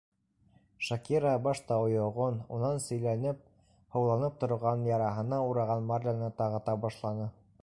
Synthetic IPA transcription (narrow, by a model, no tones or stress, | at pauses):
ʃakʲiɾɑbɑʃt̪ɑŏjŏʁonṵnɑnsɵ̆jlænɘp̚ | hɤ̆wlˠɑnɤp̚t̪ŏɾʁɑnjɑɾɑɦɤ̆nɑuɾɑʁɑnmarʲlʲanɤt̪ɑʁɑ̆t̪ɑbɑʃlˠɑnɤ